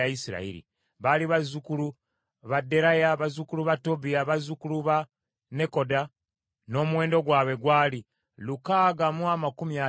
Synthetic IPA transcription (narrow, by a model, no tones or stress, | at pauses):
ajisiɾa̰ḭɾḭ | βaliβazːukulu | βadːe̞ɾajaβazukuluβato̞biaβazukuluβa | ne̞ko̞da | no̞ːmuwe̞ːndo̞ɡwaːβe̞ɡwaːli | lukaɡamuamakumja